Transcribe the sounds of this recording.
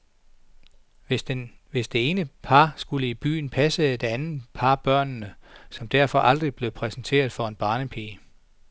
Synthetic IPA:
ʋe̝sd̥e̝e̝ːnəpʰɑ̈ːsɡ̥uləib̥y̰ːn̩pʰæsəe̝d̥ænð̩ˠpʰɑ̈b̥ɶɐ̰nːəsɒ̽md̥æɐfɒ̽ʔɑ̈ld̥ʁib̥le̝ʊpʰʁɛsn̩t͡sʰe̝̰ːɐð̞ˠfɒ̽e̝nb̥ɑ̈ːnəpʰeːə

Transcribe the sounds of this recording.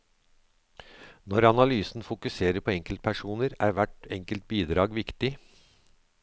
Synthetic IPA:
nɔɾɑnɑlyːsn̩fʊkʉseːɾəpʰɔɛŋkəlt̪̚pʰæʂuːnəɾæːɾʋæʈɛŋkəlt̪̚biːd̪ɾɑːɡʋɪkt̪ɪ

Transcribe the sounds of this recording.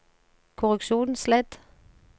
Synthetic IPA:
kʰʊʁʉkʃuːnn̩slɛd̪̥

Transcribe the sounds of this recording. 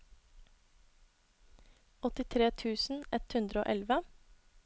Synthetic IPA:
ɔt̪ɪt̪ʰɾeːt̪ʰʉːsn̩ʔɛt̪hʉnd̪ɾəo̰ːʔɛlʋə

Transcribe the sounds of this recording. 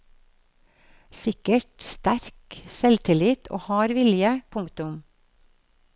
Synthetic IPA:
sɪkəʈst̪æɾksɛlt̪ʰɪlɪt̪ʰo̰ːhɑːɾʋɪljəpʰʊŋkt̪ʊm

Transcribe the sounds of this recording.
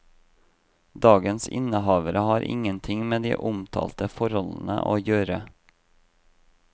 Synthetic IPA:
d̪ɑːɡənsɪ̰nːəɦɑːʋəɾəhɑːɾʔɪ̰ŋːənt̪ʰɪŋmeːd̪ḭːʔʊmt̪ʰɑ̰ːlt̪əfɔɾɔlənə̰ʔo̰ːjøːɾə

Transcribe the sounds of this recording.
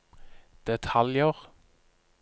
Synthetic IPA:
d̪̥ɛt̪ʰɑljəʁ

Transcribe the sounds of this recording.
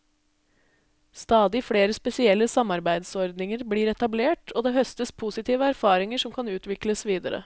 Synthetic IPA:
st̪ɑːd̪ɪfɽeːɾəspɛsɪɛlːəsɑmɑɾbæɪd̪sɔɾd̪nɪŋəɾbliːɾɛt̪ɑbleːʈʰoːd̪eːɦœst̪əspʰuːsɪt̪ʰiːʋəæɾfɑːɾɪŋəʂɔmkʰɑnʉːt̪ʰʋɪkləsʋiːd̪əɾə̰

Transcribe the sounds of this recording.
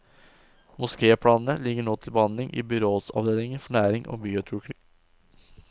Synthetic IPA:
mʊskeːəpʰɽɑːnnəlɪɡəɳoːt̪ʰɪlbəhɑnd̪lɪŋʔḭːbʏɾoːsɑ̰ʋd̪eːlɪŋəfɔɳæːɾɪŋʔo̰ːbiːʊt̪ʰʉːkɪ

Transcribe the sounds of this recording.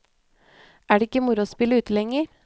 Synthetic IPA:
ʔæːɖeɪkːəmʊɾʊspɪləʉːt̪əlɛŋəɾ

